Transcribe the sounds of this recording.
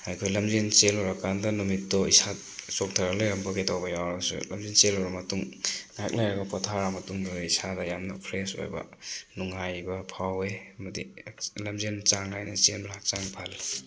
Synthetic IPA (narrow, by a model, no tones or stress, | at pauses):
hajkʰojlɐmzent͡ʃelɔɾakandɐnumitːɔisa | t͡ʃɔk̚tʰaɾalejɾɐmbaketʰawbɐjawɾsṵlɐmzent͡ʃelɔɾamɐtuŋŋaak̚najɾɐɡapɔtʰaɾamɐtuŋduisadɐjamnɐpʰɾeso̰jbɐ̰nuŋajbɐpʰawemɐdilɐmzent͡ʃaŋlajnat͡ʃenblak̚t͡ʃaŋpʰal